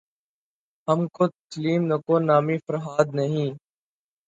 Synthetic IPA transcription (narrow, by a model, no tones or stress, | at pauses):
ɦəmkoːt̪əsliːmnəkoːnaːmiːfəɾɦaːd̪nəɦĩː